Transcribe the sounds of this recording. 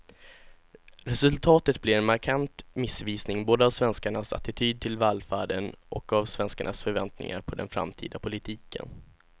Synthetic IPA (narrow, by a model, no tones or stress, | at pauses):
ɾɛsɵlt̪ʰɑːt̪ət̪blɪɾɛnmaɾkʰant̪mɪsviːsnɪŋboːd̪əavsvɛnskaɳasa̰t̪ɪt̪ʰyːd̪̚t̪ʰɪlvalfaːɖənʔɔkavsvɛnskaɳʔasfœɾvɛnt̪nɪ̰ŋa̰ɾpʰɔd̪ɛ̰nfɾa̰mt̪ʰḭːd̪apʰʊlɪt̪ʰiːkʰə̰n